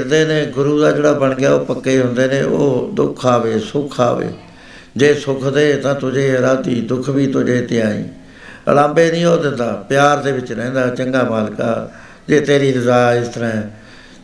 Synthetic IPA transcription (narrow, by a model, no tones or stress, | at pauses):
ɪɾd̪eːnẽːɡʊɾuːd̪aːd͡ʒeːɽaːbəɳɡɪaːoːpəkːeːɦʊ̃nd̪eːnẽːʔo̰ːd̪ʊ̰kʰaːʋeːsʊkʰa̰ːʋḛː | d͡ʒeːsʊkʰd̪eːt̪ãːt̪ʊd͡ʒeːɾaːd̪iːd̪ʊkʰbiːt̪ʊd͡ʒeːt̪eːaːḭ̃ː | ə̰lãːmbeːnĩːɦoːd̪ɪnd̪aːpɪjaːɾd̪eːʋɪt͡ʃɾɛ̃ɛ̃ːnd̪aːt͡ʃəŋɡaːmaːlkaː | d͡ʒeːt̪eːɾiːɾəzaːɪst̪əɾãːɛ